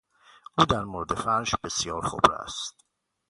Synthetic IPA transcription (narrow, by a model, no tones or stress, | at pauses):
ʔuːd̪æɾmoɾed̪e̞fæɾʃbe̞sjɒːɾxo̰bɾæ̰st̪